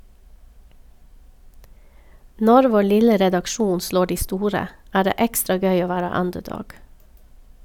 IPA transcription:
ˈnɔɾ ˈʋoː ˈlɪlə ɾɛdɑkˈʃuːn ˈsloː ˈdiː ˈstuːɾə ˈæː ˈdeː ˈɛkstɾɑ ˈɡœʏ ˈoː ˈʋæːɾə ˈʌndəˌdɔɡ

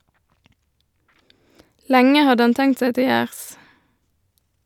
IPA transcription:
ˈlɛŋə ˈhɑd ˈɑn ˈtɛŋt ˈseː ˈtɪ ˈjæːʁs

